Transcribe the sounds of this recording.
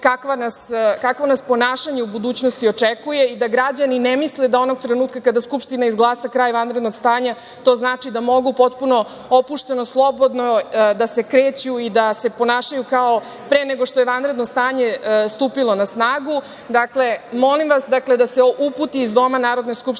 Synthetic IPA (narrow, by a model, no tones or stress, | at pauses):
kakʋanaskakʋonaspo̞naːʃaɲe̞ubud̪uːt͡ɕno̞st̪io̞t͡ʂekuje̞id̪aɡɾad͡ʑaninemisled̪ao̞no̞ɡt̪ɾe̞nuːt̪̚kakad̪askupʃt̪inaizɡlˠaːsakɾaːjʋanɾe̞d̪no̞ɡst̪aːɲa | t̪o̞ːznaːt͡ʃid̪amo̞ɡupo̞t̪puno̞ | opuʂt̪e̞noslˠo̞bo̞d̪nod̪ase̞kɾeːt͡ɕuid̪ase̞po̞naːʃajukao | pɾeːneɡoʂt̪ojeʋanɾed̪nost̪aːɲe̞st̪uːpilˠo̞nasnaːɡu | d̪akle̞mo̞limʋasd̪akle̞d̪aseuput̪iːzd̪o̞manaːɾo̞d̪neskupʃ